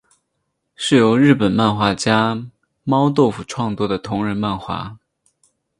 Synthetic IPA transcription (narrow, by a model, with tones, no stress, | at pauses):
ʂɻ̩˥˩jo˧˥ʊɻɻ̩˥˩pə˨˩nma˥˧nxwa˥˩t͡ɕja˥ | mɑ˥ʊt̪o˥˩ʊfu˨˩ʈ͡ʂʰwɑ˥˧ŋt͡swɔ˥˩d̪ə˩t̪ʰʊ˧˥ŋɻə˧˥nma˥˩nxwa̰˧˥